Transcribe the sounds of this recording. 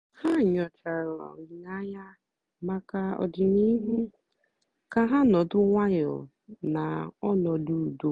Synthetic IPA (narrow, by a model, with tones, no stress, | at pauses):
ha˦˨ɲɔ˨t͡ʃa˨ɾɔ̰˨i˨na˦ɲa˦ | ma˦ka˦ɔ̰˨dɪ˨ni˦ɦu˦ | ka˦ɦa˦nɔ˨dʊ˦ŋʷa˦ɲʊ̰˨ | na˨ɔ˦nɔ˨du˦˨du˦